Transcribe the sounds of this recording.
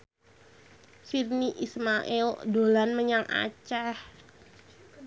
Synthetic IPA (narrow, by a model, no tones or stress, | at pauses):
sirniʔismaʔɛldolanməɲaŋʔa̰t͡ʃah